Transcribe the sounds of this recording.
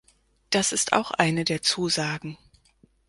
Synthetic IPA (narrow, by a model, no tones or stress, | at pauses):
d̥asɪstʰa̰ʊxʔa̰ɪnədeːɐt͡suːzaːɡŋ̩